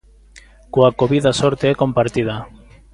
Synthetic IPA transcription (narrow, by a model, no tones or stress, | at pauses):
koakoβiðasɔɾt̪eɛkompaɾt̪iða